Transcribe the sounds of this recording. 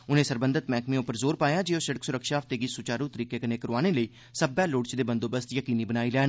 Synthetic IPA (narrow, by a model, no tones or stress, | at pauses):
ʊnẽːsəɾbənd̪ət̪mɛːkmẽʊpəɾzoːɾpaːjaːd͡ʒeːoːsəɽəksʊɾəkʃaːft̪eːɡisʊt͡ʃaːɾũːt̪əɾiːkeːkəneːkəɾaːneːləiː | səbɛːloːɽt͡ʃd̪eːbənd̪oːbəst̪jəkiːniːbənaːiːlɛːn